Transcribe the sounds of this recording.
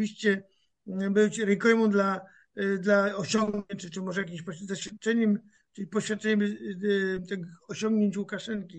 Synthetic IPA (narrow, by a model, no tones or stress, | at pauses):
vʲiɕt͡ɕɛ | bɘt͡ɕɾɛkɔjmɔ̃d̪la | d̪laɔɕɔŋɡɲɛt͡ʂt͡ʂɨmɔʐɛjak̬ʲiɕpɔd̪ɔɕfʲjat̪̚t͡ʂɛɲɛm | ʈ͡ʂɘpɔɕfʲjat̪̚t͡ʂɛɲɛm | t̪ɛɡɔɕɔ̃ŋɡɲeɲt͡ɕwukaʂɛnkʲi